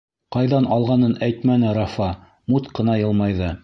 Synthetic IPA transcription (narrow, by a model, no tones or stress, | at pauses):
qɑjðɑnɑlˠʁɑnɤnæjt̪mænɘɾɑfɑ | mut̪qɤ̆nɑjɤ̆lˠmɑjðɤ